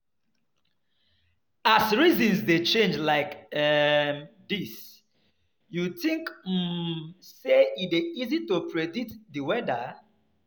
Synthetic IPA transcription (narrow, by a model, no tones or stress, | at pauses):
asɹizɔ̃nsdet͡ʃẽnd͡ʒlaɪkɛmdis | jutĩŋkm̩seideizitopʰɹeditdiwɛda̰